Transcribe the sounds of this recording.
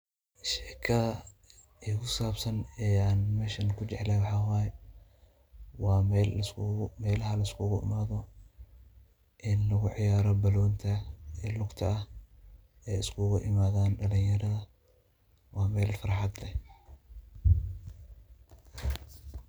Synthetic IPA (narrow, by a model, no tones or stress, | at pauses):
ʃɛkʰɐðɐ | ɛːkʰʊsaːbsɐnɛːaːnmɛːʃɐnkʰʊt͡ʃɛʕlɛwɑħɑːwaːjɛ | wɑːmɛlːɐsmɛːlɐɦɐlɐɪskʰʊɣʊɪ̰maːðɔ | ʔɪnlɐɣʊʕɪjaːɾɐbɐlɔːnt̪ʰɐɛːlʊɡt̪ʰɐɐh | ɛːɪskʰʊɣʊʔɪmaːðaːnɖɐlɪ̃jɐɾɐðɐ | wɑːmɛːlfɐɾħɑd̪lɛh